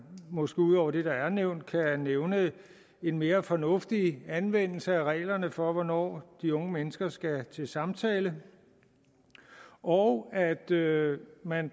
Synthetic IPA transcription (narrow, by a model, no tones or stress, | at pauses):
mɒ̽sɡ̥e̝ːuð̰ˠɒ̰ʊ̰ɐd̥e̝ɾ̥ɑ̈æɐneʊ̰nd̥̚kʰæneʊnə | e̝nme̝ːɐfɒ̽nɔ̽fd̥iænʋen̰l̩səæʁɛ̰ːlɐnəfɒ̽ʋɒnɒ̰ːd̥iɔ̽ŋəmenəsɡ̥ɐsɡ̥æt͡sʰe̝sɑ̈mt͡sʰɛːlə | ʔɒʊæd̥ømæn